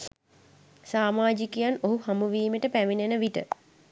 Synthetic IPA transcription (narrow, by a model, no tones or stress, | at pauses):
saːmaːd͡ʒikejanoɦuhamuʋiːmeʈəpæʋinenəʋiʈə̰